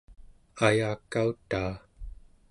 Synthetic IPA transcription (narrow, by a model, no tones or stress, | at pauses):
ajaːkːaut̪aː